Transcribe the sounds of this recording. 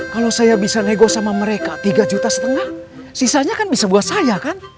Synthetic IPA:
kalosajabisaneɡosamaməɾekat̪iɡad͡ʒut̪asə̥t̪əŋah | sisaɲakanbisabuat̪̚sajakan

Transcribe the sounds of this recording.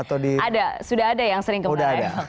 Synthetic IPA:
at̪awdiadasudaɦːdajaŋsəɾɪŋkəudaada

